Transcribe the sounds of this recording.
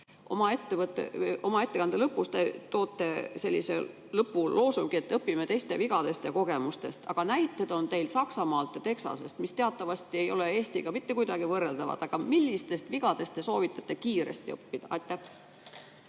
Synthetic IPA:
ʔo̞̰mɑe̞t̪ːevɤt̪ːˑḛo̞mɑe̞t̪ːe̞kɑnd̪elɤpːˑust̪e̞t̪o̞ːt̪ːe̞se̞lʲːḭsḛ | lɤpːullo̞ːsuɡ̥ie̞t̪ːˑɤpːimet̪e̞jst̪e̞viɡ̥ɑd̪e̞st̪jɑko̞ɡe̞must̪e̞st̪ɑ̰ɡ̥ɑnæjt̪ːˑed̪̥o̞nt̪e̞jlsɑksɑmɑːlt̪ːˑet̪e̞ksɑ̰se̞st̪mist̪e̞ɑt̪ːˑɑvɑst̪ie̞jo̞lee̞ːst̪iɡ̥ɑmit̪ːekujd̪ɑɡ̥ivɤrːeld̪ɑvɑ̰d̪̥ɑɡ̥ɑmilʲːist̪e̞st̪viɡ̥ɑd̪e̞st̪ːe̞so̞ːvit̪ːˑɑ̥t̪ːˑe̞kiːɾe̞̰st̪iɤpːid̪̥ɑʔɑjt̪ːˑæh

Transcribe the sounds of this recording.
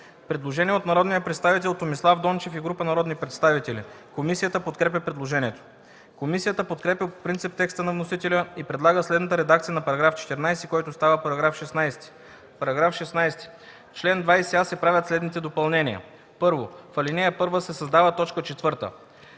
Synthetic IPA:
pɾɛd̪lˠoʒɛniɛot̪nɐɾɔd̪nijəpɾɛt̪st̪avit̪̬ɛlˠt̪ːomislˠavd̪ɔnt͡ʃɛfiɡɾupənɐɾɔd̪nipɾɛt̪st̪avit̪ɛlʲḭ | komisijət̪əpot̪kɾɛp̬ʲəpɾɛd̪lˠoʒɛnʲiɛt̪o̥ | komisijət̪əpot̪kɾɛpʲəpo̥pɾint̪sip̚t̪ɛkst̪ənɐvnosit̪ɛlʲəipɾɛd̪lˠaɡəslɛd̪nət̪əɾɛd̪akt̪sijənɐpɐɾɐɡɾaft͡ʃɛ̥t̪ɛɾnajsikɔjt̪ost̪avəpɐɾɐɡɾafʃɛsnajst̪i̥ | pɐɾɐɡɾafʃɛsnajst̪i̥ | t͡ʃlɛnd̪vajsɛasɛpɾavʲət̪slɛd̪nit̪ɛd̪opɐlˠnɛniə̰ | pɤɾvofɐlinɛjəpɤɾvəsɛsɐzd̪avət̪ɔt͡ʃkət͡ʃɛt̪vɤɾt̪ə̰

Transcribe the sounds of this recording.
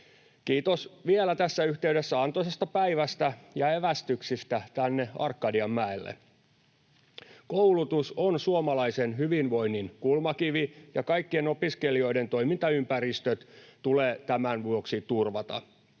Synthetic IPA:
kiːt̪osʋielæt̪æsːæyht̪eydesːæɑnt̪osest̪ɑpæiʋæst̪æjɑeʋæst̪yksist̪æt̪ænːeɑ̰rkːɑdiɑmːæelːḛ | koulut̪usonsuomɑlɑisenɦyʋinʋo̞inːinkulmɑkiʋijɑkɑikːienopiskelio̞ide̞nt̪o̞jmint̪ɑympæɾist̪øt̪t̪uleːt̪æmænʋuoksit̪urʋɑt̪ɑ̰

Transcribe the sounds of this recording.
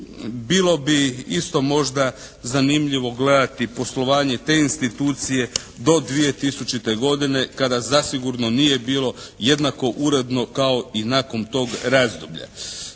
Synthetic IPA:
biːlˠo̞biist̪o̞mo̞ʒd̪a | zanimʎiʋo̞ɡle̞d̪at̪ipo̞slo̞ʋaːɲe̞t̪e̞ːinst̪it̪uːt̪sije̞ | d̪o̞d̪ʋije̞t̪isut͡ʃit̪eɡo̞d̪ine̞kad̪azasiɡuɾno̞nije̞biːlˠo̞je̞d̪nako̞ʔuɾe̞d̪no̞kao̞inaːko̞mt̪o̞ːɡɾazd̪ubʎa̰

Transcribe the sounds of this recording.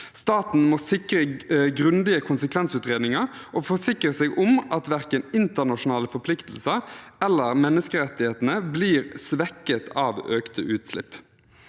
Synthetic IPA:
st̪ɑːt̪n̩mosɪkɾəɡʁʉnd̪ɪəkʰʊnsəkʰʋɛnsʉːt̪ʁeːd̪nɪŋɑʁ | ʔoːfɔsɪkʁəseːɡʔʊmʔɑt̪ʋæʁkənɪnt̪əʁnɑʂʊnɑːləfɔpʰlɪkt̪l̩səʁɛlːəʁmɛnːəskəɾɛt̪ːɪheːt̪n̩əbliːʁsʋɛkːət̪ʰɑːʋøːkt̪ə̰ʔʉːt̪slɪ̰pː

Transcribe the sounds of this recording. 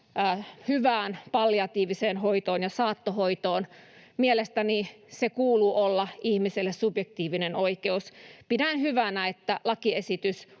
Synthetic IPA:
hyʋæːnpɑlːjɑt̪iːʋiseːnhoit̪oːnjɑsɑːt̪ːohoit̪oːn | mielest̪ænisekuːluʔolːɑʔihmiselːessubjek̚t̪iːʋinenoikeuspidænhyʋænæet̪ːælɑkiesit̪ys

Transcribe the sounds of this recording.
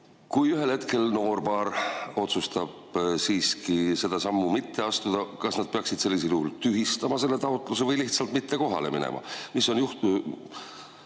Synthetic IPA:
kujyɦe̞lhe̞t̪ke̞lno̞ːrpɑːɾo̞t̪sust̪ɑb̥siːskise̞d̪̥ɑsɑmːumit̪ːe̞ɑst̪ud̪̥ɑkɑsnɑd̪̥̚peɑksid̪̥se̞lːis̬eljuhult̪yɦist̪ɑmɑse̞lːe̞t̪ɑot̪ːˑluse̞vɤjliht̪sɑlt̪̚mit̪ːe̞ko̞ɦɑ̰le̞̰mḭnḛmʔɑ̰misːo̞njuht̪u

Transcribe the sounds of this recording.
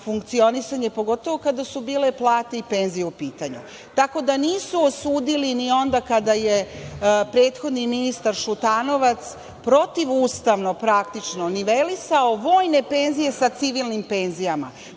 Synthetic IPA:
fuŋkt̪sio̞nisaɲepo̞ɡo̞t̪o̞ʋo̞kad̪asubiːle̞plˠaːt̪eipe̞nzijeupiːt̪aɲṵ | t̪ako̞d̪aniːsuosuːd̪ilinio̞nd̪akad̪aje̞pɾe̞ːt̪xo̞d̪niminist̪aɾʃut̪ano̞ʋat̪s | pɾo̞t̪iʋuːst̪aʋno̞pɾakt̪it͡ʃno̞niʋelisao̞ʋo̞ːjne̞pe̞ːnzije̞sat̪siʋilˠnimpeːnzijama̰

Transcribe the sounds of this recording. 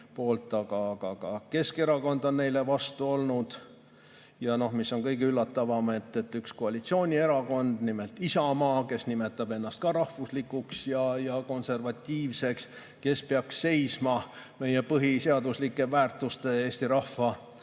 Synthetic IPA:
po̞ːlt̪ːˑɑɡ̥ɑkɑkɑke̞ske̞ɾɑko̞nd̪̥o̞nːe̞jle̞vɑst̪uo̞lnud̪̥ | jɑno̞hmisːo̞nkɤjɡeylːɑt̪ːɑvɑme̞t̪ːˑe̞t̪ːyksko̞ɑlit̪sio̞ːnʲie̞ɾɑko̞nd̪̥nime̞lt̪ːˑisɑmɑːke̞snimet̪ːˑɑbe̞nːɑst̪̚kɑɾɑhvuslikːˑuksjɑjɑko̞nse̞rvɑt̪ʲːiːvse̞ks | ke̞speɑksːe̞jsmɑme̞jepɤɦiseɑd̪uslikˑːe̞væːrt̪ˑust̪e̞e̞ːsʲt̪iɾɑhvɑ

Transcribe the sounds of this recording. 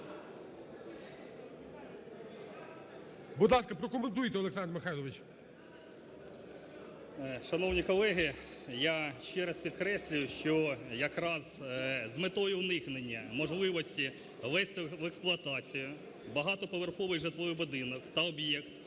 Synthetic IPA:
bʊd̪lˠɑskɐpɾɔkɔment̪̬ujt̪ɛɔlˠeksɑnd̪rmɪxɑjlˠɔʋɪt͡ʃ | ʃɐnɔwnʲikɔlˠɛɦɪ | jaʃt͡ʃɛɾɐspʲid̪kɾɛsʲlʲʊjʊʃt͡ʃɔjɐkɾɑzzmet̪ɔjʊnɪxnenʲːɐmɔʒlˠɪʋɔsʲtʲi | ʋɛsʲtʲʋɛksplˠʊɐt̪ɑt͡sʲijʊ | bɐɦɑt̪ɔpɔʋerxɔʋɪɣʒet̪lˠɔjʊbʊd̪ɪnɔkt̪ɐɔbjɛkt̪

